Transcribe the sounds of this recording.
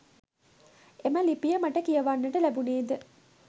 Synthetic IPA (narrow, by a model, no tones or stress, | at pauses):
eməlipijəmaʈəkijɐʋanːəʈəlæbuneːd̪ə